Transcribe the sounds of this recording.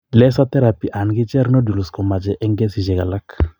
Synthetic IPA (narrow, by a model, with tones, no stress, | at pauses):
lɛ˦sa˦tɛ˦ɾa˨pi˨ʔa˨nɡɪ˦t͡ʃɛ˦ɾno˦du˨lu˨skɔ˨ma˨d͡ʒɛ˨ʔɛ˦ŋɡɛ˦si˨d͡ʒɛ˨ɡa˨la˦k